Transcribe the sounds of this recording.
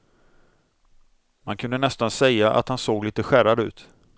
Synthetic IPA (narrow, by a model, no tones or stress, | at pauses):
mankʰɵnd̪ənɛst̪ansɛjːaʔa̰t̪hansoːɡliːt̪əɧæɾad̪ʉ̟̰ːt̪